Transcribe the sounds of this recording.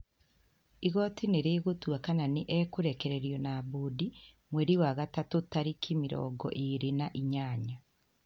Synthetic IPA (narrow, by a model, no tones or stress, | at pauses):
iɣotineɾeːɣutwakananeʔekuɾekeɾeɾjɔnabudi | mweɾiwaɣatatutaɾikʰimiɾɔ̰ːɡɔ̰ʔiɾinaʔiɲaːɲa